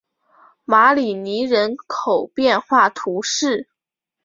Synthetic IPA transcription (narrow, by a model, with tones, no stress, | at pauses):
ma˧˥li˨˩ni˧˥ɻə˧˥nkʰo˨˩ʊpjɛ˥˧nxwa˥˩t̪ʰu˧˥ʂɻ̩˥˩